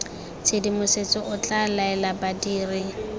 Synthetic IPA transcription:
t͡sʰedimʊset͡sʼɔʔʊt͡ɬʼalaɛlabadiːrɪ

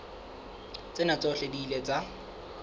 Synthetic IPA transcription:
t͡sʼɪnat͡sʼɔɬedilet͡sʼa

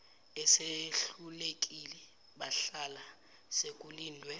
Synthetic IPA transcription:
ɛseɬulek̬ʼilɛ | ɓaɬala | sekʼuliːndʱwɛ

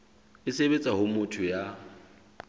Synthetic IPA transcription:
ɪseβet͡sʼaɦʊmʊtʰʊja

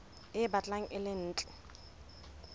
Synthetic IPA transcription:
ɪbat͡ɬʼaŋ̩ʔɪlɪn̩ːt͡ɬʼɛ

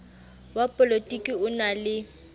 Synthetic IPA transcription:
wapʼɔlotʼikʼiʊnalɪ

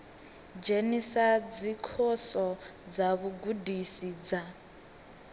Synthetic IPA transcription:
d͡ʒenisad͡zikʰɔsɔd͡zaβuɡudisid͡za

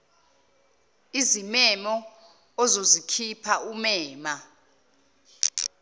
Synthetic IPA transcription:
izimɛmɔː | zozikʰipʰaumɛːma

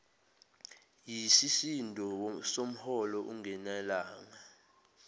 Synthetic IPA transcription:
jisisindʱɔwsom̩hɔlɔʔuŋɛnalaːŋa

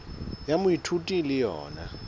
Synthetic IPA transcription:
jamʊitʰutʼilɪjɔ̰ːna

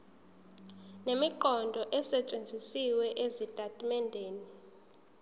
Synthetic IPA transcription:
nemiǃɔndʱɔʔɛsɛt͡ʃʼend͡zʱisiwɛʔezitʼatʼmɛndʱeːni

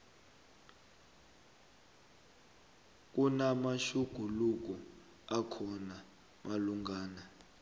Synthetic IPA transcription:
k̬ʼunamaʃuɡ̥ʱuluk̬u | akʰɔna | maluŋɡaːna

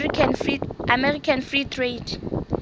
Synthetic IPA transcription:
namɛrikʰanfritʰred

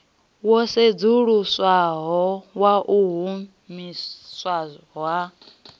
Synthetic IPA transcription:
wɔsed͡zuɺuswaɦɔwaʔuɦu | miswa | ɦwa

